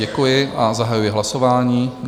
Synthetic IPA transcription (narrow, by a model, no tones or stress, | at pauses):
ɛkujɪʔazaɦajujɪɦlasovaːɲiː